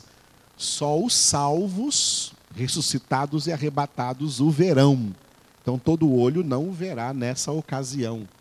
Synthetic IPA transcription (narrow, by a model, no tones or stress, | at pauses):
sɔʊsawvʊshesusit̪ad̪ʊzɪaɦebat̪ad̪ʊzʊveɾɐ̃w̃ | ẽt̪ɐ̃w̃t̪od̪ʊːoʎʊnɐ̃w̃ʊveɾanɛsɐokaziɐ̃w̃